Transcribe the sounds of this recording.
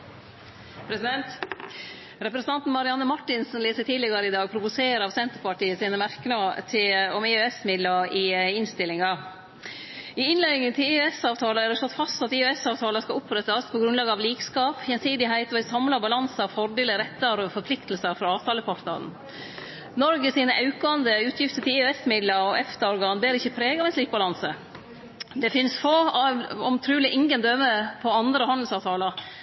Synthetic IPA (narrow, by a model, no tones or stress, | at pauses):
pʰɾɛsɪd̪ɛnt̪ | ɾɛpɾɛsən̩ɑnt̪n̩mɑɾɪɑnːəmɑʈːɪnsn̩leːsət̪ʰiːlɪɡɑɾəɪd̪ɑːɡpʰɾʊʋʊseːɾəɑʋsɛnt̪əɾpɑʈiːəsiːnəmæɾknɑt̪ʰɪɔmɛøɛsmɪd̪ləɪɪnst̪ɪlɪŋɑ | ɪɪnlæɪŋənt̪ʰɪiøɛsɑːʋt̪ʰɑːləæɖɛʂlɔt̪ːfɑst̪ɑt̪ɪøɛsɑːʋt̪ʰɑːləskɑʔʊpɾɛt̪ːɑspʰɔɡɾʉnlɑːɡəɑʋliːkskɑːphjɛnsiːd̪ɪɦæɪt̪ɔʋɪsɑmlɑbɑlɑnsɑfɔɾɖ̪eːləɾɛt̪ːɑɾɔfɔɾpʰlɪkt̪l̩səɾfɾɑɑːʋt̪ʰɑːləpʰɔɾt̪ɑ̰n̩ | nɔɾɡəsiːnəʔɑʉkɑnd̪əʉːt̪ʰjɪft̪ət̪ɪlɪɛsmɪd̪ləɔʔɛft̪əɔɾɡɑːnbeːɾəɪçːəpʰɾeːɡɑʋɛnsliːk̚bɑlɑnsə | d̪ɛfɪnsfoːɑɔmt̪ʰɾʉːlɪʔɪŋɡənd̪œməpʰɔɑnd̪ɾəhɑnd̪l̩sɑːʋt̪ʰɑːləɾ